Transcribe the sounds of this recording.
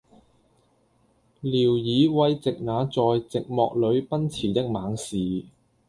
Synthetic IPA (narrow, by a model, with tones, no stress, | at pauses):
liː˨˩wjiː˨˧wɐ˧jt͡sɪ˨k̚ŋaː˨˧t͡sɔː˨jt͡sɪ˨k̚mɔ̰ː˨k̚lɵ˨˧˥ɥpɐ˥nt͡sʰiː˨˩t̪ɪ˥k̚maː˨˥ŋsiː˨